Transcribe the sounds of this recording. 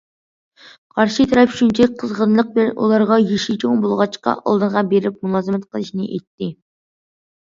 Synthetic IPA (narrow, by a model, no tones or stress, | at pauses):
qʰɑɾʃit̪ʰɾɑpʃynt͡ʃʰɛqʰəzʁənlˠəq̚bɪlɛnʔo̰lˠɑɾʁɑjeʃit͡ʃʰoŋbolˠʁɑt͡ʃqɑ̰ʔɑ̰lˠd̪ɨʁɑbeɾɪp̚munˠɑːzɨmɛt̪qʰəlˠɨʃinɨ̰ʔɛ̰jt̪ːɪ